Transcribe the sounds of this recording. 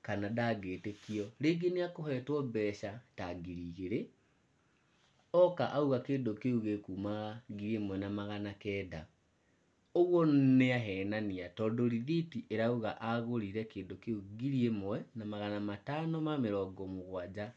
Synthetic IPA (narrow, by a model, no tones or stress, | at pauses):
kanadaɡeːtekiɔɾeɡeneakohɛtwɔbɛʃataɡiɾiːɣeɾe | ɔkaʔauɣakeːndokeuɣekuːmaɣaɡiɾiemwɛnamaɣanakɛːda | oɣwɔneaɦɛːnaniatɔdoɾiðitiʔeɾauɣaʔaɣoɾiɾɛkeːndokeuɡiɾiemwɛnamaɣanamatanɔmameɾɔːɡɔmoɣwad͡ʑa